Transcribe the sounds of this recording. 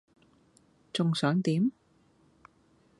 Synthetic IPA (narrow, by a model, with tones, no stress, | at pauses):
t͡sʊ˨ŋsœː˨˥ŋt̪iː˨˥m